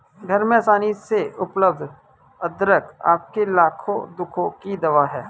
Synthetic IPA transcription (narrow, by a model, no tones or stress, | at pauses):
ɡʱɐɾmẽsaːniseʊpləb̚d̪ʱ | əd̪ɾəka̰ːp̚kelaːkʰõ̰d̪ʊkʰõkid̪ɐʋaɦɛː